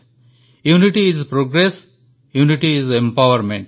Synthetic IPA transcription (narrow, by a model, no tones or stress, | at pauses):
juːniʈiːzpɾoːɡɾes | juːniʈiizẽmpaʋəɾmẽɳʈ